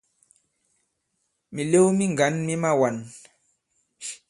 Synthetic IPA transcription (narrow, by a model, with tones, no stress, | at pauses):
mi˨le˦wmi˦ŋɡa˨˦nmi˦ma˦wa˨n